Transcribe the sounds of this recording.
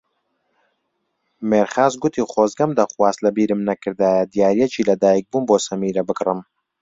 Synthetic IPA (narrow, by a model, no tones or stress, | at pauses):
meɾχaːzɡʊt̪ʰiχoːzɡɐmd̪ɐχwaːst̪lɐbiːɾɨmnɐkʰɨɾd̪aːjɐd̪ijaːɾijɛt͡ʃʰiːlɐd̪aːjik̚buːnboːsɐmiːɾɐbɨɡrɨm